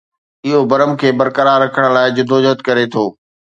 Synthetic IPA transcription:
ɪɦobɐɾəmkʰeːbɐɾkəɾaːɾːɐkʰəɽ̃̆laːɪd͡ʑʊd̪ʱod͡ʑət̪kɐɾet̪ʰoː

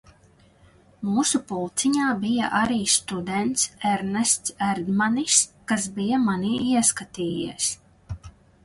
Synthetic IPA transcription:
muːsupulˠt̪siɲaːbija̰ʔaɾiːst̪ud̪ɛnt̪sɛɾnɛst̪sɛɾd̪maniskas̬bijamaniːiɛskat̪iːjḭɛs

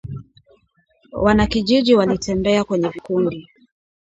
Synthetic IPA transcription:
wanakiʄiʄiwalitʰɛmbɛakwɛɲɛvikundi

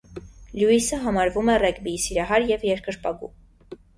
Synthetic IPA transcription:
ljuisəɦɑmɑɾvumɛrɛɡbisiɾɑɦɑɾjɛvjɛɾkʰəɾpɑ̰ɡṵ

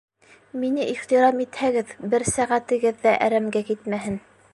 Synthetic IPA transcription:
minɘʔiχt̪iɾɑmit̪hæɡɘðbɘɾsæʁæt̪ɘ̆ɡɘðːæʔæɾæmɡækit̪mæɦɘn

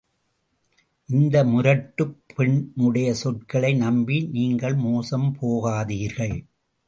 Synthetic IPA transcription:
ʔɪnd̪ɐmʊɾɐʈːɯpʰːɛɳʊɽɐjɐsɔʈkɐɭɐɪnɐmbiniːŋɡɐɭmoːsɐmpʰoːɣaːðiːɾɣɐɭ

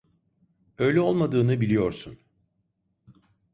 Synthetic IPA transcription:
ø̞jlʲɛo̞lˠmad̪ɯːnɯbilʲijo̞ɾsun

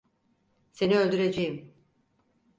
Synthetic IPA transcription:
se̞niølʲd̪yɾe̞d͡ʒejim

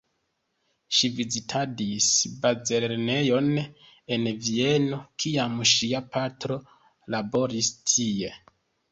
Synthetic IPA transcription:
ʃivizitʰadisbaze̞lɾne̞jo̞n | e̞nvie̞no̞kʰiamʃiapatɾo̞ | labo̞ɾistʰie̞

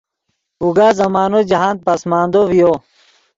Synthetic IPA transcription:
uɡaːzɐmaːnod͡ʑɐɦãːnd̪̚pɐsmaːnd̪oʋijoː

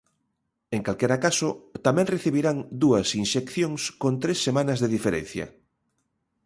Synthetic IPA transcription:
eŋkalkeɾakasot̪amẽŋreθiβ̞iɾaŋd̪uɐsinʃekθjõŋskont̪ɾesːemãnazðeðifeɾḛnθjɐ̰

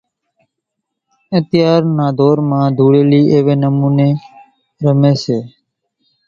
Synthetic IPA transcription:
ət̪ɪjaːɾnaːd̪ʱoːɾmãːd̪ʱuːɽeːliːʔeːʋeːnəmuːneː | ɾəmeːseː

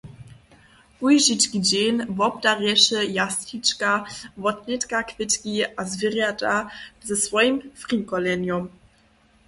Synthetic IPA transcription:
ʔujʒit͡ʃkid͡ʑenvɔbdarjɛʃɛjasit͡ʃkavɔtnɛtkakvʲɪtkiazvʲɪrjadazɛsvɔjimfrikɔlɛnjɔm

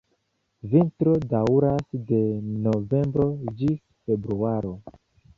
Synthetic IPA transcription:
vintɾo̞dawuɾasde̞no̞ve̞mbɾo̞d͡ʒis | fe̞bɾuaɾo̞

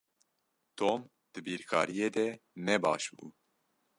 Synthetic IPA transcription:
t̪ʰoːm | d̪̥ɨbiːɾkʰɑ̰ːɾijeːd̪ɛnɛbɑ̰ːʃbṵː

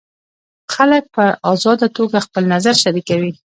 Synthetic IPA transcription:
xalək̚pəʔɑzɑd̪at̪oɡaxpəlnazaɾʃaɾikawi

